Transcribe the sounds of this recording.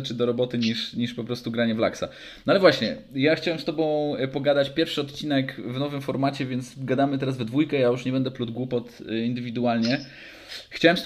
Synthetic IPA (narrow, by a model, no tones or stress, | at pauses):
t͡ʂɘd̪ɔɾɔbɔt̪ɘɲiʂɲiʂpɔpɾɔst̪uɡɾaɲɛvla̰ksa̰ | nɔalɛvwaɕɲɛ̰jaxt͡ɕawɛmst̪ɔbɔ̃w̃pɔɡad̪at͡ɕpʲjɛɾfʂɘɔt̪̚t͡ɕinɛkvnɔvɘmfɔɾmat͡ɕɛvʲjɛnt̪sɡad̪amɘt̪ɛɾazvd̪vujkɛjajuʂɲɛbɛnd̪ɛplud̪̚ɡwupɔt̪ind̪ɘvʲid̪ualɲɛ | xt͡ɕawɛmst̪